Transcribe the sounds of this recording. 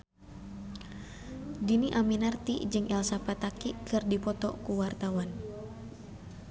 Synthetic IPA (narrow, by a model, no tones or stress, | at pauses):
diniʔaminart̪ḭd͡ʒɨŋʔɛlsapat̪akikɨrdipɔt̪ɔ̰kuwart̪awan